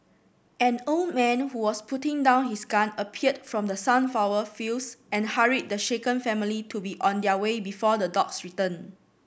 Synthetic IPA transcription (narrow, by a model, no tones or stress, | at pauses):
ɛ̃nold̚mɛ̃nhuwɔspʰutɪ̃ŋdãʊ̃nhisɡãnəpʰiət̚fɹɔ̃mdəsãnfaʊwəfilsɛ̃nhaɹid̚dəʃekə̃nfɛ̃militʰubiʔɔ̃ndəwebifɔdədɔksɹitə̃n